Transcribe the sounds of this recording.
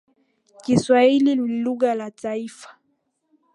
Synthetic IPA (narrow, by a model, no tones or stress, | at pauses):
kiswahiliiluɣalataifḁ